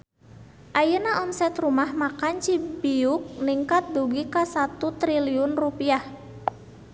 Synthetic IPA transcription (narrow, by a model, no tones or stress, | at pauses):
ʔajənaʔɔnsɛt̪rumahmakant͡ʃibiʊk̚niŋkat̪̚duɡikasat̪ut̪ɾiliʊnrupiah